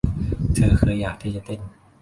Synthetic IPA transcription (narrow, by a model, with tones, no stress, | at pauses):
t̪ʰɤː˧kʰɤː˧jːaː˨˩k̚t̪ʰiː˥˩t͡ɕa˨˩t̪e˧˩n